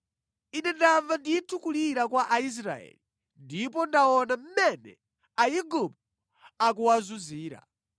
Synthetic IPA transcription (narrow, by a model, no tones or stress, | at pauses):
inɛndaɱvanditʰukuliɾakwaʔais̬ɾa̰ɛ̰li | ndipɔndaɔnam̩mɛnɛ̰ | ajiɡupu | ak̬uwazuziːɾa̰